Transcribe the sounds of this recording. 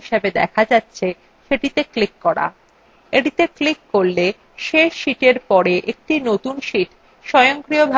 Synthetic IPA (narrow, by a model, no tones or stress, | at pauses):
iʃebed̪ɛ̰kʰad͡ʑatːɕʰe | ʃeʈit̪eklikːɔɾa̰ | eʈit̪eklikːoɾle | ʃeʃiʈeɾpɔɾeʔek̚ʈinot̪unʃiʈ | ʃɔjoŋkɾiobʱa